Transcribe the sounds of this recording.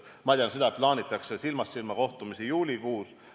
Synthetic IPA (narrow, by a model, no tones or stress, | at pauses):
mɑd̪ʲjɑnsed̪ɑplɑːnʲit̪ːˑɑksesilmɑsːilmɑko̞ht̪umisijuːlʲikuːs